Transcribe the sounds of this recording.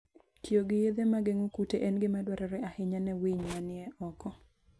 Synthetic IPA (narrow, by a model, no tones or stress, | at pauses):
tjoɡɪjed̪emaɡeŋukuteʔɛnɡɪmadwaɾɛɾɛahɪɲanɛwiɲmanɪɛʔɔkɔ